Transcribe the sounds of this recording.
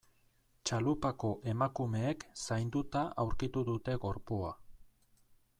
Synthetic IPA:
t͡ʃalupako̞ʔe̞makume̞ːksajnd̪ut̪aʔawɾkit̪uðut̪e̞ɣo̞ɾpua

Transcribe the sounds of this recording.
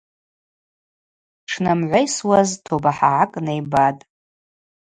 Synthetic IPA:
ʈ͡ʂʰnamʕʷajswaztʰobaħaʕakʼnejbatʼ

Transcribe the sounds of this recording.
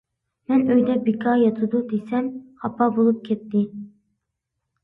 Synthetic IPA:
mɛnøjd̪ɛbikʰɑjɑt̪ʰɨd̪ud̪esɛmχɑpʰɑbolˠup̚kʲʰɛt̪ːɪ

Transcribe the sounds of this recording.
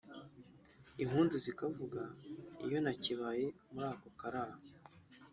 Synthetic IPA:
im̥huːnduzikavuɡaḭjo̞naciβaje̞muɾaːkokaɾaːha

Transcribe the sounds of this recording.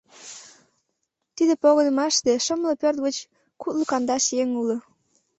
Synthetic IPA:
t̪id̪epoɣənə̆mɑʃt̪eʃəmləpørt̪̚ɣət͡ɕ | kut̪lukɑnd̪ɑʃjeŋulo

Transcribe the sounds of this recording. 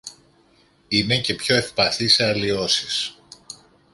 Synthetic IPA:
ine̞ce̞pço̞e̞fpɐθiseɐlio̞sis

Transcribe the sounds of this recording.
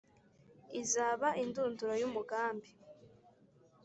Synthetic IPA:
izaːβaʔinduːnduɾojumuɡaːmbi

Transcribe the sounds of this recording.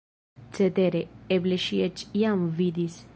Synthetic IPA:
t͡set̪eɾeebleʃiet͡ʃjamvid̪is

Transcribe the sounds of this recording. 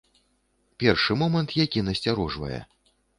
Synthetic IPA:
pʲɛrʂɨmɔmɐnt̪jakʲinɐsʲt͡sʲaɾɔʐvɐ̰jɛ̰

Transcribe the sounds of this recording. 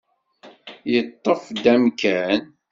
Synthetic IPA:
jət̪ˤːəfd̪æmkæn

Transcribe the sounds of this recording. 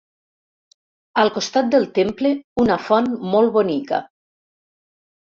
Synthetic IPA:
əlˠkost̪at̪̚d̪əlˠt̪empleunafɔnmɔlˠβonikə̰

